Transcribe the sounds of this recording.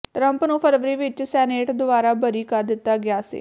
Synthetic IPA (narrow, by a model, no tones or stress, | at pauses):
ʈɾəmpnũːpʰəɾʋəɾiːʋɪt͡ʃsɛːneːʈd̪ʊbaːɾaːbəɾiːkaːd̪ɪt̪ːaːɡɪaːsḭː